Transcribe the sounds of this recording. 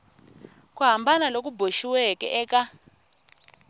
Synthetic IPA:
k̬ʼuɦambʱanalok̬ʼubʱoʃiwɛkʼɛ̰ʔɛːk̬ʼa

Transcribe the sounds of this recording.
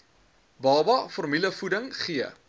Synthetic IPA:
bɑːbɐfɔrmiləfudəŋχiə

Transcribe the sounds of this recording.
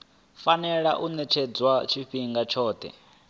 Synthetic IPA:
fanɛɺaʔunɛt͡ʃʰɛd͡zwat͡ʃʰiɸiŋɡat͡ʃʰɔːt̪ʰɛ̰

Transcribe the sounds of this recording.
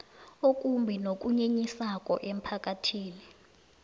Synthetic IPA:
ok̬ʼumbʱinok̬ʼuɲeɲisakʼɔ̰ʔem̩pʰak̬ʼatʰiːni

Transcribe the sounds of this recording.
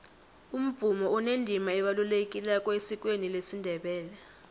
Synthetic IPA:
um̩b̪v̥ʱumɔɔnendʱimaɛɓalulekʼilɛkʼɔesik̬ʼwenilesindʱɛɓɛːlɛ

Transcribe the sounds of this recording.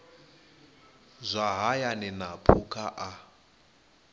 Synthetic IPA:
zʷaɦajanɛnapʰukʰaʔa

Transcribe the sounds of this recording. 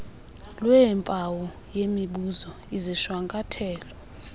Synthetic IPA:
lwɛmpʼawɔ | jemiɓuzɔ | iziʃwaŋkʼatʰɛːlɔ

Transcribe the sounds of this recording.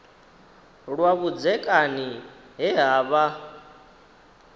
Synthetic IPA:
ɺwaβud͡zɛkʼani | ɦɛɦaːβa

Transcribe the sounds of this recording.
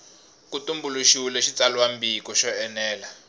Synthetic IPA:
kutumbuluʃiwulɛʃit͡salwambikɔʃɔɛnɛːla

